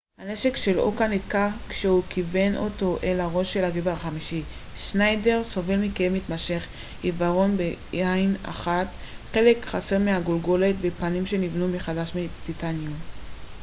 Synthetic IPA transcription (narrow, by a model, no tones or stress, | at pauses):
haneʃekʃe̞lo̰kanikakʃehukive̞nʔo̞̰to̞ʔelaʁo̞ʃːe̞laɡeveʁaχamiʃi | ʃnajde̞ʁso̞ve̞lmikevmit̪maʃe̞χ | ivaʁo̞nbejajna̰χat̪χe̞lekχaseʁmeaɡulɡo̞letvepanimʃe̞nivnumiχadaʃmititanjom